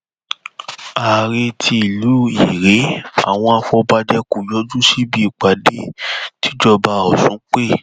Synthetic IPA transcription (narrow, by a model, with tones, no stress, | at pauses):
a˨ɾe˧tʰi˧i˨lu˨˦i˨ɾe˨˦a̰˨w̃ɔ̃˧a˧fɔ˧ba˧dɛ˧ku˨jɔ˦d͡ʒũ˦ʃi˦bi˦i˨k͡pa˨de˦ti˦d͡ʒɔ˧ba˧ɔ˨sũ˨˦k͡pe˦˨